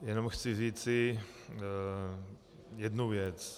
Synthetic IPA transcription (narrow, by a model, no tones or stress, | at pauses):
jɛno̞mxt͡sɪriːt͡sɪ | jɛdnuvjɛt͡s